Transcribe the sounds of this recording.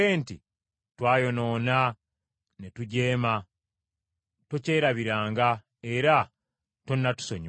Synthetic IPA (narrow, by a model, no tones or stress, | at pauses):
eːnti | twaːjo̞no̞ːna | netuɟe̞ːma | toce̞ːɾaβiɾaːŋɡa | e̞ɾa | tonːatu̥so̞ɲ